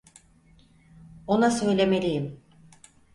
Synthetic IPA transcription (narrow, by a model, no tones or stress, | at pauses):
onasø̞jlʲemelʲijim